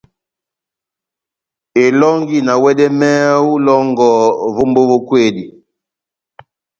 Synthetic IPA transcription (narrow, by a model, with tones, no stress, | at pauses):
e˨lɔ˦ŋɡi˦na˨wɛ˦ɗɛ˦mɛ˦u˦lɔ˦ŋɡɔ˨vo˦mbo˦vo˦kwe˦˨di˨